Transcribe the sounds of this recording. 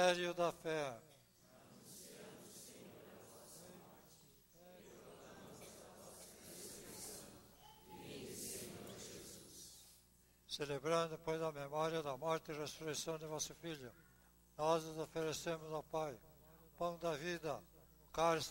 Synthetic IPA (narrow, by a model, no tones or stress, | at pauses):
ɛɾjʊd̪ɐfɛ | esɾes | ʒezus | selebɾɐ̃nd̪ʊpojzɐmemɔɾjɐd̪ɐmɔɾt̪ɪiresuɾesɐ̃w̃d̪ɪvɔsʊfiʎʊ | nɔzʊzofeɾesẽmʊzawpaj | pɐ̃w̃d̪ɐvid̪ɐ | kaɾs